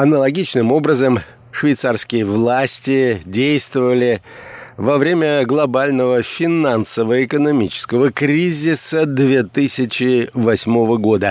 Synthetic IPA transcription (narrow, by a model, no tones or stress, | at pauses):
ɐnəlˠɐɡʲit͡ɕnɨmo̞bɾəzəm | ʂvʲɪjt̪sarskʲɪjəvlˠasʲtʲɪdʲejst̪vəvəlʲɪ | vɐvɾʲemʲəɡlˠɐbalʲnəvəfʲɪnansəvəɪkənɐmʲit͡ɕɪ̥skəvəkɾʲizʲɪsəd̪vʲe̞t̪ɨsʲɪt͡ɕɪvɐsʲmo̞vəɡo̞d̪ə